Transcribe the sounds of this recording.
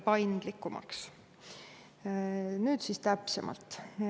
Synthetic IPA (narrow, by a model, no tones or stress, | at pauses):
pɑjnd̪̥likːˑumɑ̰ks | nyːd̪siːst̪æpsemʔɑ̰lt̪ːˑ